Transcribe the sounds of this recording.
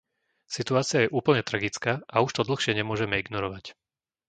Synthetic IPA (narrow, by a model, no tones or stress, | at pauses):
sit̪uaːt͡sɪajɛʔuːpl̩ɲɛt̪ɾaɡit͡skaːʔauʃt̪ɔd̪l̩xʃɪɛɲɛmʊɔʒɛmɛiɡnɔɾɔʋac